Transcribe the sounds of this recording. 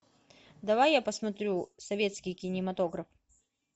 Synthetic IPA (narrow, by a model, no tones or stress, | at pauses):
d̪ɐvajːapəsmɐt̪ɾʲusɐvʲe̞t̪skʲɪjkʲɪnʲɪmɐt̪o̞ɡɾɐf